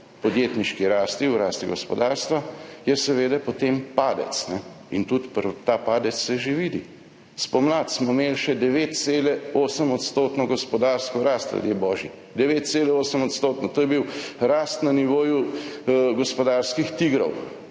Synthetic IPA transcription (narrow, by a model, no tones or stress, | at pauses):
pɔd̪jet̪niʃkiɾaːst̪iwɾaːst̪iɡɔspɔd̪aːɾst̪ʋajɛsɛʋeːd̪ɛpɔt̪empaːd̪ɛ̰t̪snɛ | int̪ut̪pəɾt̪aːpaːd̪ɛt̪sːɛʒeʋiːd̪i | spɔmlat̪smɔmelʃɛd̪ɛʋeːt̪seːlɛoːsəmɔt̪st̪oːt̪nɔɡɔspɔd̪aːɾskɔɾaːst̪a̰d̪jebɔːʒi | d̪ɛʋeːt̪̚t̪selɛoːsəmɔt̪st̪oːt̪nɔt̪oːjɛbiwɾaːst̪naniʋoːju | ɡɔspɔd̪aːɾskixt̪iɡɾɔ̰w